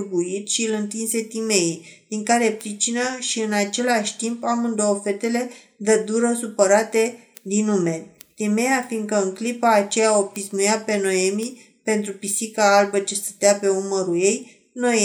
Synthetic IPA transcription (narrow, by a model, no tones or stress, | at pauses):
ɡuit̪ʃiɨlɨnt̪inse̞t̪ime̞id̪̥iŋkaɾe̞pɾit͡ʃinəʃiɨnat͡ʃe̞laʃʲt̪impamɨnd̪oofe̞t̪e̞le̞ | d̪əd̪uɾəsupəɾat̪e̞d̪inume̞rʲt̪ime̞jafiŋɡkəɨŋklipaːt͡ʃe̞jaopismujape̞no̞e̞mi | pe̞nt̪ɾupisikaalbət͡ʃest̪ət̪eape̞uməɾuje̞j | no̞e